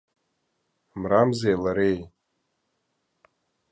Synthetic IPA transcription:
mramzejlaɾej

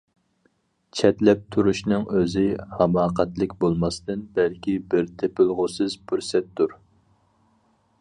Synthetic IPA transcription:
t͡ʃʰɛt̪lɛp̚t̪ʰuɾuʃnɨŋøzɪhɑmɑːqʰæt̪lɪkʲbolˠmɑst̪ɨnbælkʲʰibɪɾt̪ʰepɪlˠʁʊsɨzbʰyɾsɛt̪ːuɾ

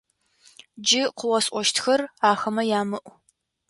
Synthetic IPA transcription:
d͡ʒɪqəwɔsʼʔʷɔʃtʰxɐraːxɐmɐjaːmɨʔʷ

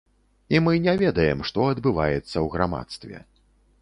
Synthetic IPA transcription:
imɨnʲɛvʲɛd̪ɐjɛmʂt̪ɔɐd̪bɨvajɛt̪sːɐwɣɾama̰t̪st̪vʲɛ̰

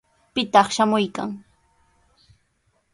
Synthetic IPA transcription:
pɪt̪ɑχʃamʊjka̰ŋ

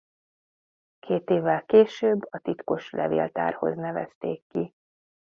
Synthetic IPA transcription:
kʰeːt̪eːvːɛlkeːʃøːbːɒt̪it̪ko̞ʃlɛ̰vḛːlt̪a̰ːrho̞̰znɛvɛ̰st̪eːkːi

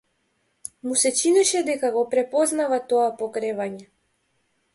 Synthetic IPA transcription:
musɛt͡ʃinɛʃɛd̪ɛkaɡɔpɾɛpɔznavat̪ɔapɔkɾɛvaɲɛ

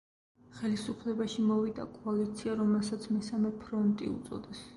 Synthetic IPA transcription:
χɛlisupʰlɛbaʃimɔvid̪a̰kʼɔalit̪sʰiaɾɔmɛlˠsat̪sʰmɛsamɛpʰɾɔnt̪ʼḭṵt̪sʼɔ̰d̪ɛs

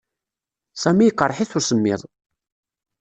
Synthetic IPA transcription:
sæmijəqːərˤːħiθʊɾsəmːɪ̰ðˤ

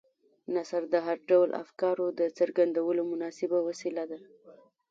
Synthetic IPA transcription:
nasaɾd̪əɦaɾɖawlʔa̰fkɑɾod̪ət͡səɾɡand̪awəlomʊnɑsɪbawasilad̪a

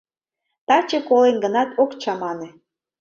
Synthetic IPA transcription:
t̪ɑt͡ɕekolenɡənɑt̪ʰokt͡ɕɑmɑnĕ

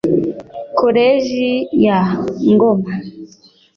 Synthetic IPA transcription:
koɾeʒijaŋɡoma

